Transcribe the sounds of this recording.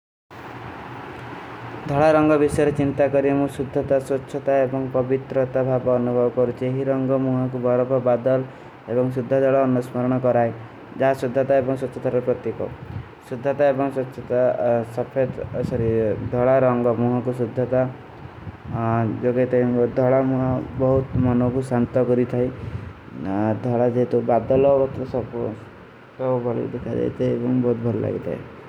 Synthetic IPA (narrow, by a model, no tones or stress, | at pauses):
d̪ʱɔɭaɾɔŋɡɔbisɔjɔɾet͡ʃint̪akɔɾiemũsud̪ʱːɔt̪aswɔtːʃʰɔt̪aebɔŋpɔbit̪ɾɔt̪abʱabɔːnubʱɔbɔkɔɾut͡ʃʰieɦiɾɔŋɡɔmũɦɔkubʱɔɾɔbʱɔbad̪ɔl | ebɔŋsud̪ʱːɔd̪ʱɔɭɔːnusmɔɾɔɽ̃ɔkɔɾaj | d͡ʒaɦasud̪ʱːɔt̪aebɔŋsɔtːʃʰɔt̪aɾɔpɾɔt̪ikɔ̰ | sud̪ʱːɔt̪aebɔŋswɔtːʃʰɔt̪asɔpʰed̪̰sɔɾid̪ʱɔɭaɾɔŋɡɔmuɦakusud̪ʱːat̪a | d͡ʒɔɡejt̪ʰad̪ʱɔɭamuɦabɔɦut̪mɔnɔkusant̪ɔkɔɾit̪ʰaj | d̪ʱɔɭad͡ʒeɦt̪ubad̪ɔlɔbɔt̪ɾɔsɔbɔs | t̪ɔbʱɔɭḭkd̪ekʰad͡ʒa̰jt̪ʰejebɔŋbɔɦut̪̚bʱɔlɔla̰ɡit̪ʰa̰ḛ